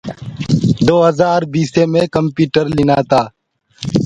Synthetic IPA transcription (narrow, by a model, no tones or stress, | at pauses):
d̪oːɦəzaːɾbiːseːmẽːkəmpjuːʈəɾlɪnaːt̪aː